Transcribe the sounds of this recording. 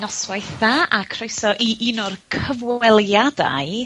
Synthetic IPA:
nɔswajθðaʔakʰrojsɔʔiʔɪnʊrkʰəvwɛlˠjada̰ɨ

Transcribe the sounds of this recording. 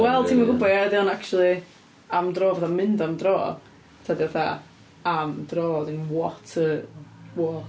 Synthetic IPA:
wɛlˠtʰiːmaɡʊbɔaɾadɪanakt͡ʃulˠi | amdroːvɛðamɪndamdroː | tʰadiaθa | amdroːɔdɪnwɔtʰəwɔ

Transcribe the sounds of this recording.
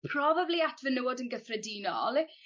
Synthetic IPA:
pʰrɔbabliatʰvənəwɔdənɡəθrɛdinɔ̰lˠ

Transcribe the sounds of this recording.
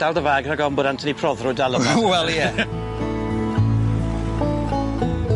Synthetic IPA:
d̥alˠdəvaːɡraɡɔmbʊdantʰənipʰrɔðrʊːdalˠəwɛlˠjɛ

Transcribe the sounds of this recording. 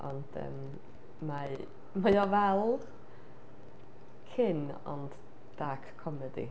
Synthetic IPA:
ʔɔnd̥ə̰mː | a | majɔvɛlˠ | kʰɪn | ɔ̰nd | d̥akʰːɔmɛdḭ

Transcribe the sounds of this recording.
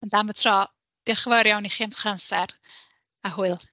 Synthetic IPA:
əndamvətʰrɔ | d̥ɪχvɔɾjawniχiamχansɛɾ | aɦʊɨlˠ

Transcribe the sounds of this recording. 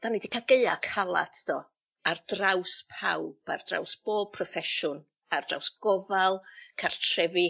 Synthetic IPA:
d̥anidikʰaɡeɨakʰalˠa̰tʰd̥ɔ | ardrawspʰa̰wb̥a̰rd̥ra̰wsb̥oːb̚pʰrɔfɛʃʊn | ardra̰wsɡ̥ɔvalˠkʰar̥tʰr̥ɛvi

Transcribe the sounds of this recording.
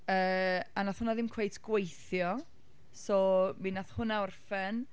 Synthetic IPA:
əːanaθhʊnaðɪmkʰw̥ejtʰɡ̥wejθjɔ | sɔːminaθhʊnaɔrfɛn

